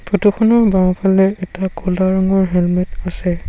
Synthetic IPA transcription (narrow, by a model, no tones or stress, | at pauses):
pɹotuxɔnɔɹbawpʰalɛɛtakɔlaɹaŋɔɹɦɛlmɛtasɛ